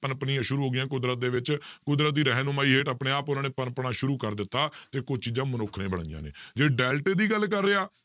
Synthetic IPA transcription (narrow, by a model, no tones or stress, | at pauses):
pənpniːãːʃʊɾuːɦoːɡɪjãːk̬ʊd̪ɾət̪̚d̪eːʋɪt͡ʃkʊd̪ɾət̪̚d̪iːɾɛɦnoːmaːiːɦeːʈapɽẽːaːpʊnaːneːpənpɳãːʃʊɾuːkəɾd̪ɪt̪ːaːt̪eːkʊd͡ʒt͡ʃiːd͡ʒãːmənʊkʰnẽːbəɽ̃a̰ːɪja̰ːnḛːd͡ʒeːɖɛːlʈeːd̪iːɡəlkəɾːeːaː